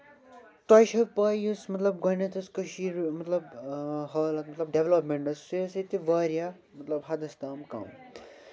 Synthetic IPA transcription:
t̪ɐjʃɐpɐːjusmɐt̪lɐb̚ɡojnɐt̪ʰɐskɐʃiɾmɐt̪lɐbɦɐːlɐk̚mɐt̪lɐb̚ɖeʋlɐpmeɳʈɐssiɐset̪iʋaːɾija | mɐt̪lɐbɦɐd̪ɐst̪aːmka̰ːm

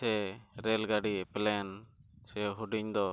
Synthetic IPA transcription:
ɛɾɛlɡaɖiɛpɛlɛjansɛɦuɖiɲd̪ɔ

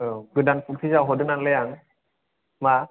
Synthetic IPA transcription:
ɯɡɯdanputʰizawɦɔdɯnanlɛjaŋ | ma

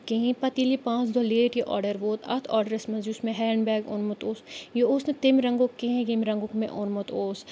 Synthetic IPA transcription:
keɦĩpɐt̪ilipãːt͡ʃd̪oleːʈjiʔɔ̰ːɖəɾʋoːt̪ʰɐ̰t̪ʰɔ̰ːɾɖəɾɐsmɐnzjusmẽɦɛːɳbɛːɡo̰nmʊt̪oːsjeoːsnẽt̪emɾɐŋɡokːeɦẽɡemɾɐŋɡokmḛ̃ʔonmot̪oːs

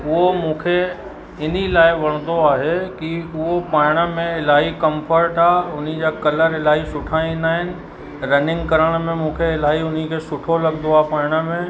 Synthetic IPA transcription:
ʊɦomũːkʰe | ɪn̤ilaːɪʋɐɽ̃d̪oaːɦekiʊɦopaːɪɽ̃əmẽɪlaːɦikə̃mpʰəɾʈaːʊn̤id͡ʑakɐləɾɪlaːɦisʊʈʰaĩːnd̪aːɦɪnɪ̆ | ɾɐnɪ̃ŋɡkəɾəɽ̃mẽmũːkʰeɪlaːɦiʊn̤ikʰesʊʈʰolɐɡd̪oaːpaːɪɽ̃əmẽ

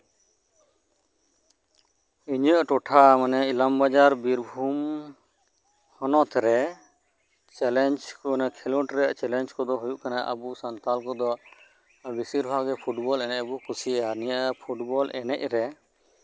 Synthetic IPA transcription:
iɲəʔʈɔʈʰamanɛilambad͡ʒaɾbiɾbʱum | hɔnɔt̪ɾɛ | t͡ʃɛlɛnd͡ʒkɔnɛkʰɛluʈɾɛʔt͡ʃɛlɛnd͡ʒkɔd̪ɔɦujuʔkanaʔə̰busant̪alkɔd̪ɔ | bisiɾbʱaɡɛpʰuʈbɔlɛnɛcbukʰusianijəʔpʰuʈbɔlɛ̰nɛ̰c̚ɾɛ

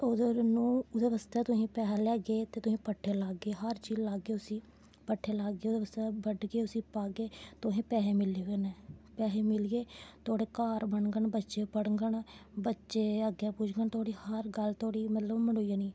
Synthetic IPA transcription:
od̪nũːd̪eːʋəst̪ɛːt̪ʊsĩːpɛːɦɛlɛːɡeːt̪eːt̪ʊsĩːpəʈʰːeːlaːɡːeːɦəɾt͡ʃiːlaːɡːeːʊsĩː | pəʈʰːeːlaːɡːeːoːd̪eːʋəst̪ɛːbəɖɡeːʊsĩːpaːɡeːt̪ʊɦĩːpɛːɦeːmɪleːeːnɛːpɛːɦeːmɪlɡeːt̪oːɽeːkaːɾbəɳɡəɳbətːʃeːpəɽŋɡəɳbətːʃeːəɡeːpʊt͡ʃɡəɳt̪oːɽiːhəɾɡəlt̪oːɽiːmət̪ləbməɽoːijaːniː

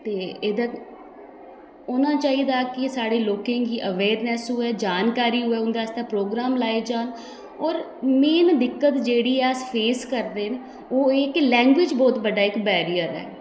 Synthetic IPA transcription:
t̪eːɪd̪ə | oːnãːt͡ʃaːid̪aːkɪsaːɽeːloːkẽːɡiːʔəʋeːɾnɛːsɦʊːɛːd͡ʒaːnkaːɾiːɦʊɛːʊnd̪aːst̪aːpɾoːɡɾaːmlaːed͡ʒaːn | ɔːɾ | meːnd̪ɪkːət̪d͡ʒeːɽiːɛːəspʰeːskəɾd̪eːn | oːɪklɛ̃ːŋɡʋɪd͡ʒbɔːt̪bəɖaːɪkbɛːɾijəɾɛ̰ː

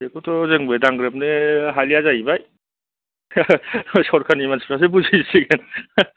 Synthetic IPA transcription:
ekɔtʰɔzɯŋbejdaŋɡɾɯp̚neɦaliazajbaj | sɔɾkʰanimanspʰɾas̬ebuzisiɡen

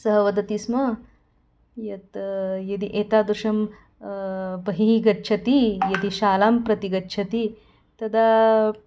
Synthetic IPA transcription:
sɐɦɐʋɐd̪ɐt̪ismɐ | jɐt̪jɐd̪iʔeːt̪aːd̪ɾuʂɐm | bɐɦiiɡɐtːt͡ʃʰɐt̪ijɐd̪iʃaːlaːmpɾɐt̪iɡɐtːt͡ʃʰɐt̪i | t̪ɐd̪a

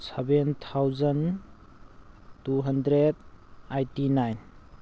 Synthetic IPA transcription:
sabent̪ʰawzan | tuɦɐndɾed̚ajtinajn

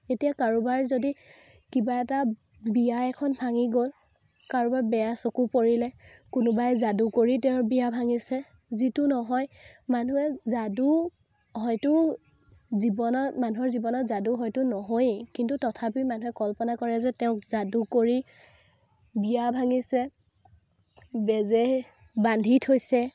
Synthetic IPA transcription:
etijakaɹubaɹzodi | kibaɛta | bijaɛkʰɔnbʱaŋiɡol | kaɹubaɹbɛjasokupoɹilɛkʊnʊbajzadukoɹitɛʊ̃bijabʱaŋisɛ | zitʊnɔɦɔjmanuɛzadu | hɔjtʊ | zibɔnɔmanuɦɔɹzibɔnɔtzaduɦɔjtʊnɔɦojkintutɔtʰapimanuɦɛkɔlpɔnakɔɹɛzɛtɛʊ̃kzadukoɹi | bijabʱaŋisɛ | bɛzɛ | bandʱitʰhojsɛ

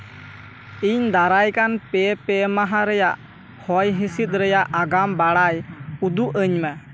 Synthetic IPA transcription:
iɲd̪aɾajkanpɛpɛmaɦaɾɛjaʔ | hɔjɦisit̪̚ˀɾɛjaʔaɡambaɽajud̪uʔəɲmə

